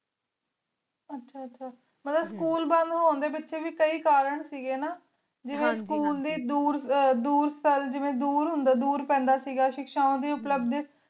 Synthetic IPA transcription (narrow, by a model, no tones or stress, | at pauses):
ətːʃʰaːətːʃʰaː | mət̪ləbskuːlbə̃nd̪ɦoːnd̪eːbɪtːʃeːʋiːkəiːkaːɾəɳsiːɡeːnaː | d͡ʒɪʋẽːskuːld̪iːd̪uːɾd̪uːɾst̪ʰəld͡ʒɪʋẽːd̪uːɾɦʊnd̪aːd̪uːɾpɛ̃ːnd̪aːsiːɡaːʃɪkʃaːõːd̪iːʊpləbd̪